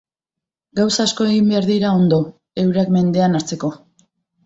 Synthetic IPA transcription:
ɡawsaːsko̞e̞ɣimbe̞aɾðiɾao̞nd̪o̞ | e̞wɾekme̞nd̪e̞anaɾt͡se̞ko̞

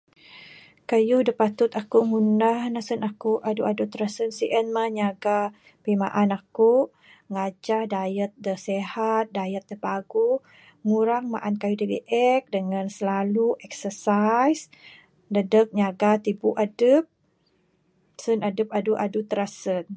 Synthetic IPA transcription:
kajudəpat̪ʊt̪akuŋunahnasənakuʔaduʔadut̪ɾasənsiʔənmahɲaɡa | pima̰ʔanaku | ŋad͡ʒahdajət̪̚dəsehat̪̚dajət̪̚dəpaɡu | ŋuɾaŋma̰ʔankajudibḭʔɛk̚dəŋansəlaluʔɛk̚səsajs | dədək̚ɲaɡat̪ibuʔadəp̚ | sənadəp̚aduʔadut̪əɾasən

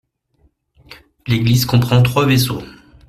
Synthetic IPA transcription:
leɡlizkɔ̃pχɑ̃t̪χwaveso

